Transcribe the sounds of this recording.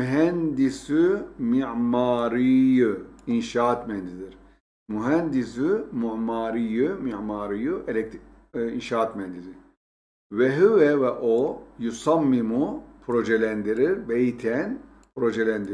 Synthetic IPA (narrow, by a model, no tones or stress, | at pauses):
yɦɛnd̪isymiʕmaːɾijɯinʃaːt̪mɛnd̪id̪iɾ̥ | muɦɛnd̪isymuʕmaːɾijɯmiʕmaːɾijuʔelʲɛkt̪ | inʃaːt̪mɛnd̪id̪i | vɛɦywɛvɛʔojusamːimupʰɾoʒɛlʲænd̪iɾiɾbejit̪ʰɛn | pʰɾo̞ʒɛlʲænd̪i